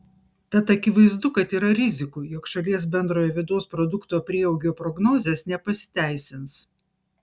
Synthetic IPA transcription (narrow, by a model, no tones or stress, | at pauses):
t̪ɐt̪ɐkʲɪʋɐɪzd̪ʊkɐt̪iːɾɐɾʲɪzʲɪkujɔkʃɐlʲiɛs̬bʲɛnd̪ɾoːjoːʋʲɪd̪oːspɾɔd̪ʊkt̪oːpʲɾʲiːɛʊɡʲoːpɾɔɡnoːzʲeːsnʲɛpɐsʲɪ̥t̪ʲæˑɪsʲɪns